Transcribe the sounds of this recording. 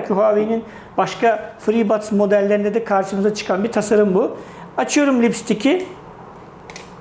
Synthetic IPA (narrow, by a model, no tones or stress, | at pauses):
cʰyɦaːvejnin | baʃkafɾibat̪smo̞d̪ælʲːeɾind̪ɛd̪ɛkʰaɾʃɯmɯzat͡ʃʰɯ̥kʰanbiɾt̪ʰasaɾɯmbu | at͡ʃʰɯjo̞ɾumlʲipst̪ʰicʰi